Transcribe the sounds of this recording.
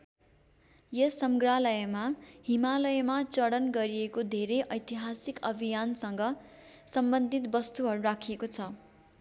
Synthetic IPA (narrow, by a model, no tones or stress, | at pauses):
jʌsʌmɡralʌjmaɦimalʌjmat͡sʌɽʌnɡʌɾiekod̪ʱeɾeʔʌjt̪iɦasikʌbʱijansʌŋɡʌ | sʌmbʌnd̪ʱit̪bʌst̪uɦʌɾuɾakʰiekot͡sʰʌ